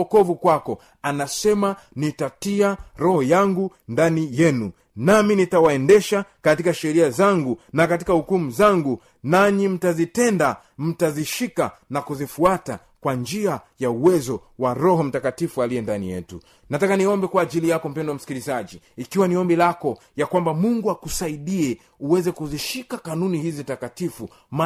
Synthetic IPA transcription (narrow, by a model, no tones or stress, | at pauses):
ɔkɔvukwakɔ | anasɛma | nitatiaɾɔhɔjaŋɡundanijɛnu | naminitawaɛndɛʃakatikaʃɛɾiazaŋɡunakatikahukumuzaŋɡu | naɲim̩tazitɛnda | m̩taziʃikanakuzifuata̰ | kwand͡ʒiajauwɛzɔwaɾɔɦɔm̩takatifualiɛndanḭjɛ̰tṵ | natakaniɔmbɛkwaːʄilijakɔm̩pɛndɔam̩si̥kilizaʄiːkiwaniɔmbilakɔjakwambamuŋɡuakusaiɗiɛ | uwɛzɛkuziʃikakanunihizitakatifu | ma